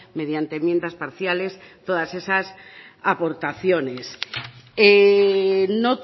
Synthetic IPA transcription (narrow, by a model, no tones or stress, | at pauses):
meðjant̪emjẽnd̪aspaɾθjalest̪oðasesasapoɾt̪aθjones | e | no